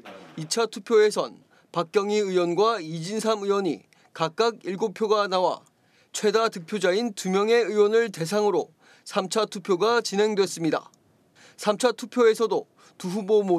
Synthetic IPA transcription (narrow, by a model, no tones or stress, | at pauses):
it͡ɕʰatʰupʰjoe̞sʰʌn | pak͈̚jʌŋiɯwʌnɡwaid͡ʑinsʰamɯwʌɲḭ | kak͈̚aɡ̚iɭɡopʰjoɡanawa̰ | t͡ɕʰwe̞datɯk̚pʰjod͡ʑaintumjʌŋe̞ɯwʌnɯɭte̞sʰaŋɯɾo | sʰamt͡ɕʰatʰupʰjoɡat͡ɕinɦe̞ŋdwe̞s͈ɯmɲida̰ | sʰamt͡ɕʰatʰupʰjoe̞sʰʌdo | tuɦubomo